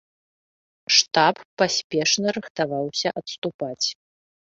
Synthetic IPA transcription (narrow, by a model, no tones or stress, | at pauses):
ʂt̪apːasʲpʲɛʂnɐɾɨxt̪avawsʲɐʔɐt̪st̪upat͡sʲ